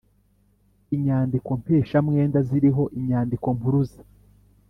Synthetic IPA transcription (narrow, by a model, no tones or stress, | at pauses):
iɲaːndiko̞mpeːʃamŋe̞ːndaziɾiɦo̞ʔiɲaːndiko̞mpuɾuzḁ